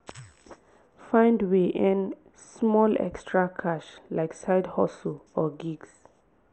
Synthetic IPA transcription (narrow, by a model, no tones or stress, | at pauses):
fãɪ̃ndwiʔɛ̃n | smɔlɛ̰kstʰɹakʰaʃlaɪksaɪdhɔsl̩ɔɡiɡs